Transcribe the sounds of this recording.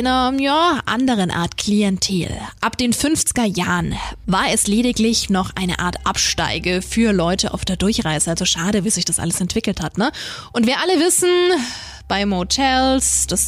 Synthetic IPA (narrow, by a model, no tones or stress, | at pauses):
ɪnɐjaːʔa̰ndəʁ̞ənʔa̰ːɐtkʰl̥iɛntʰḛːlʔapd̥eːnfʏnft͡sɪ̥ɡɐjaːʁənvaːɐɛsleːɾɪklɪçnɔχʔa̰ɪnə̰ʔa̰ːɐtʔapʃta̰ɪɡəfyːɐlɔʏtəʔa̰ʊfd̥eːɐdʊɐçʁaɪz̥əʔalzoʃaːdəviːzɪçd̥asʔa̰ləsɛntv̥ɪkl̩thatnəʔʊntv̥eːɐʔaləvɪsn̩ | b̥aɪmhotʰɛlsd̥as